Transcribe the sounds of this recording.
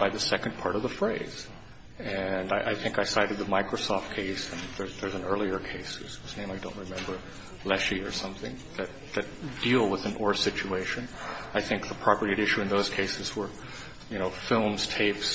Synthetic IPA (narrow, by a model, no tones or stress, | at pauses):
b̥aɪðɨsɛknpʰɑɹɾʌvðəfɹeɪz̥ | ɨ̃naɪʔaɪθɪ̃ŋkaɪsaɪɾɨd̪̚ðəmaɪkɹoʊsɔft̚kʰeɪsɨ̃nðə˞zðə˞z̃n̩ɜ˞lˠiə˞kʰeɪshuz̥hʉznẽɪ̃maɪdõʊ̃nt̚ɹɨmɛ̃mbə˞ | lɛʃiə˞sʌ̃mθɪ̰̃ŋ | ðɨt̪̚ðɨt̚d̥ilˠwəðɨ̃nʔɔɹsɪt͡ʃueɪʃɨ̃naɪθɪ̃ŋk̚ðəpʰɹ̥ɑpə˞ɾiɨɾɪʃʉɨ̃nðoʊz̥kʰeɪsɨzwə˞ | jɨñoʊfɪlˠmz̥tʰeɪps